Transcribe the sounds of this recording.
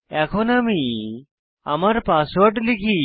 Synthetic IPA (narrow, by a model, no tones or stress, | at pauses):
ɛkʰonami | a̰maɾpaswoɾɖlikʰi